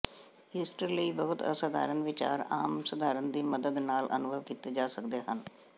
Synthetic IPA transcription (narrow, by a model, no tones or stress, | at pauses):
ɦɪsʈəɾləibəɦʊt̪ə̰səd̪a̰ːɾənʋɪt͡ʃa̰ːɾaːmsəd̪ʱaːɾənd̪iːməd̪əd̪naːlʔə̰nʊbʱəʋkiːt̪ed͡ʒaːsəkd̪eːɦən